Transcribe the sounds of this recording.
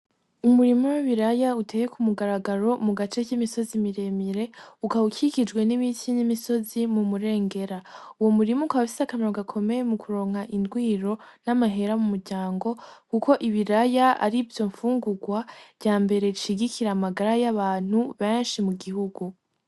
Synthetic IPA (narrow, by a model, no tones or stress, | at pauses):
umuɾimoweβiɾajautʰe̞jekʰumuɡaɾaɡaɾo̞muɡat͡ʃe̞cimiso̞zimiɾe̞miɾe̞ukaukʰikid͡ʒɡwe̞nimitʰinimiso̞zimumuɾe̞ːŋɡe̞ɾauwomuɾimukaβafi̥sakameɾaɡakʰo̞me̞jemukʰuɾo̞ːŋhaʔindɡwiːɾo̞namaɦe̞ɾamumuɾɟaːŋɡo̞kuko̞ʔiβiɾajaa̰ɾivjo̞ɱfuːŋɡuɡwavjaːmbe̞ɾe̞ɾiʃiɡikʰiɾamaɡaɾajaβaːn̥huβeːnʃimuɡihuɡu